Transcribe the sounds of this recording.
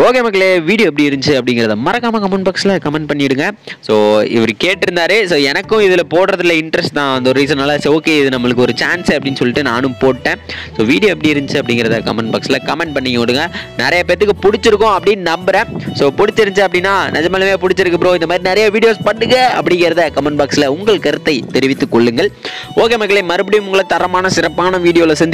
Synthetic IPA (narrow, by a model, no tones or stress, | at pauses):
oːkeːmɐkːɐleːʋiːɽɪjoːp̬ːɐɽiɪɾɯɲd͡ʒɯɐpːɐɽɪŋɡɪɾɐðɐmɐɾɐkːaːmakɐmɐɳbɐksɪlɐkɐmɛɳʈ̚pɐɳːɪɽɯŋɡɐsoːɪ̰ʋɐɾɯkeːʈːɪɾɯnd̪aːɾɯsoːɛnɐkːʊ̃ɪðɪlɐpoːɽɾɐðɪlɐɪɳɖɾɛsʈt̪ãːɐnd̪ɔɾɯɾiːs̬ɐ̃naːlasɛoːkeːɪðɯnɐmːɐɭɯkːɯɔɾɯt͡ʃaːnsɐpːɐɽɪnːsɔlːɪʈːɯnaːnɯmpoːʈːẽːsoːʋiːɽɪjoːɛpːɐɽiɪɾɯɲt͡ʃɯɐpːɐɽɪŋɡɪɾɐðɐkɐ̰mɐɳɖbɐkslɐkɐmɛɳʈ̚pɐɳːɪŋːɐɔɽɯŋɡɐnɪɾɐjapeːɾt̪ɯkːɯpʊɽɪt͡ʃːɪɾɯkːʊ̃ɐpːɐɽɪnnɐmbɐɾɛ̃soːpʊɽɪt͡ʃːɪɾɯɲt͡ʃɯɐpːɐɽɪnːaːnɛd͡ʒɐmɐːlɐmeːpʊɽɪt͡ʃːɪɾɯkːɯpːɪɾoːɪnd̪ɐmaːd̪ɾinɪɾɐjaʋiːɽɪjoːspɐɽːɯɣɐɐpːɐɽɪŋɡɪɾɐðɐkɐmɐnbaːksɪlɐʊŋɡɐɭkɐɾɯt̪ːɐɪt̪ɛɾɪʋɪt̪ːɯkːɔɭːɯŋɡɐɭoːkeːmɐkːɐɭemɐɾɯp̬ːɐɽɪjɯmʊŋɡɐɭɐt̪ɐɾɐmaːnɐsɪɾɐpːaːnɐʋiːɽɪjoːlɐsɛnd̪